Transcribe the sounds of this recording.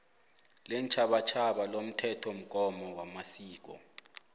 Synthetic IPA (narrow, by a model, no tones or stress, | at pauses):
lɛnt͡ʃʰaɓat͡ʃʰaɓalom̩tʰɛtʰom̩k̬ʼɔmɔwamasiːk̬ɔ̰